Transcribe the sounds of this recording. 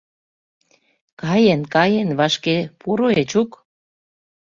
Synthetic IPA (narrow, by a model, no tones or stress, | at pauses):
kɑjenkɑjenβɑʃkepuɾoet͡ɕuk